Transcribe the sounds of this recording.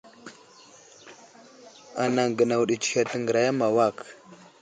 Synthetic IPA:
a˨na˨ŋɡə˨na˨wɗi˨t͡ʃi̥˨ka˨tə˨ŋɡə˨ɾa˨ja˦ma˨wa˦˨k

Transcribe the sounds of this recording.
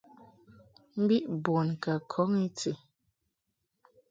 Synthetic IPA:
m̩˦bi˦ʔbwɔ˨nka˨kʰɔ˨˦ŋi˦t͡se˨

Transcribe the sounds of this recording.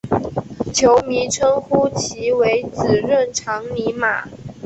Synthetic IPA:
t͡ɕʰjo˨˧˥ʊmi˧˥˦ʈ͡ʂʰə˥ŋxu˥t͡ɕʰi˧˥we˧˥ɪt͡sɹ̩˨˩ɻə˥˨nʈ͡ʂʰɑ˧˥ŋli˧˥ma̰˨˩˦

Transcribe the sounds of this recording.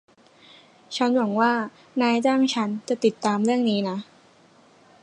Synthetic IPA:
t͡ɕʰa˦˥nwa˨˩˦ŋwaː˥˩ | naː˧jt͡ɕaː˥˩ŋt͡ɕʰa˦˥nt͡ɕa˨˩t̪i˨˩t̪ːaː˧mɾɯ˥˩əŋniː˦˥na˦˥

